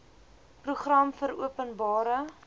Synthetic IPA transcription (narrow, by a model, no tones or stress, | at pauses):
pruχrɐmfəɾuəpənbɑːɾə